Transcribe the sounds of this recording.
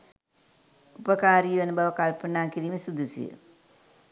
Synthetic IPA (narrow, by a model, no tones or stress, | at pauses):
upəkaːɾijuʋɐnubaʋəkalpənaːkiɾiːməsud̪usḭj̰